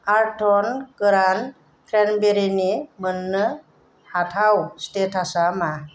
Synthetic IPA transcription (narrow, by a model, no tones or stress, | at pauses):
aɾʈʰɔnkəɾan | kɾɛnbeɾinimənːə | hatʰawsʈ̪et̪ʰasama